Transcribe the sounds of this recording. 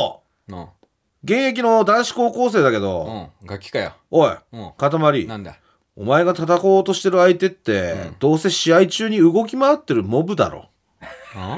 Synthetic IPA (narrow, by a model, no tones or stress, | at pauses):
ɡẽ̞ɰ̃e̞k̬ʲino̞d̪ãɰ̃ɕi̥ko̞ːko̞ːs̬e̞ːd̪ake̞d̪o̞̰ɡakʲːi̥kaja | oekat̪amaɾʲin | o̞̰mae̞ɡat̪at̪ako̞ːt̪o̞ɕi̥t̪e̞ɾɯ̟ait̪e̞t̪ːe̞d̪̥o̞ːse̞ɕiait͡ɕɨːɲ̟iɯ̟ɡo̞k̬ʲimaat̪ːe̞ɾɯ̟mo̞bɯ̟d̪a̰ɾo̰